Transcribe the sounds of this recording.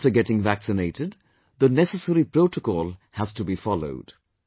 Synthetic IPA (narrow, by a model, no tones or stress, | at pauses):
ftəɡɛʈɪ̃ŋvæksɪneɪtɪd̪ | ðənɛsəsəɾipɾoʊtəkɔːlˠhəz̥tubifɑlo̰ʊd̥